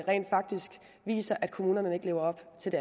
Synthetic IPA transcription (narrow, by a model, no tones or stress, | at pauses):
ʁɛ̰ːnd̥fɑ̈ɡ̥̚d̥isɡ̥ | ʋḭːsɐʔæd̥̚kʰo̝muːnɐnəe̝ɡ̥le̝ːʊɐɒ̽b̥t͡sʰe̝ld̥æ